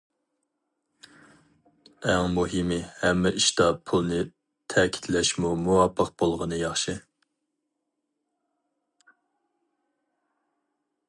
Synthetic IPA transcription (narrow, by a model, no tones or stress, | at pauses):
ɛŋmuɦɨmɪhɛmːɛʔiʃt̪ɑpʰulˠnɨ | t̪ʰɛkʲʰi̥t̪lɛʃmumuwɑpʰːəq̚b̥olˠʁənɨjɑχʃɨ